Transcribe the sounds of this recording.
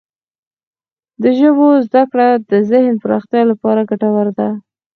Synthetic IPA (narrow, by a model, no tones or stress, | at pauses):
d̪əʒəbozd̪akɽad̪əzɪhnpəɾɑxt̪jɑlapɑɾaɡaʈawaɾd̪a